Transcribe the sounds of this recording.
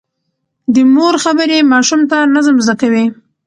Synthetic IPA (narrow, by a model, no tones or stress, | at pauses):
d̪əmoɾxabəɾemɑʃumt̪anazəmzd̪akawi